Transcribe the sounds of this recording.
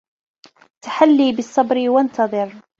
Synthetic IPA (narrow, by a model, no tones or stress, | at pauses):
t̪ḁħalːiːbɪsˤːɑbɾɪwant̪ɑðˤɨɾ